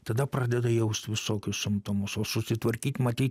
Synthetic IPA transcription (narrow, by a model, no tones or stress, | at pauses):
t̪ɐd̪ɐpɾɑːd̪ʲɛd̪ɐjɛʊsʲt̪ʲʋʲɪsoːkʲʊssʲɪmt̪omʊsoːsʊsʲɪt̪ʋɐɾʲkʲiːt̪ʲmɐt̪ʲiːt̪